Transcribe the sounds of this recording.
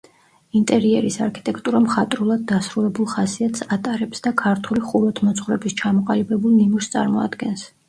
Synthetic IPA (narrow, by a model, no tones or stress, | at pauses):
int̪ʼɛɾiɛɾisaɾkʰi̥t̪ʼɛkʰt̪ʼuɾamχat̪ʼɾulˠad̪̚ːasɾulɛbulˠχasiat̪ʰsat̪ʼaɾɛpsd̪akʰaɾt̪ʰuliχuɾˠɔt̪ʰmɔt̪sʰʼχwɾɛbist͡ʃʰamɔqʼalibɛbulˠnimuɾst̪sʼa̰ɾmɔa̰d̪ɡɛns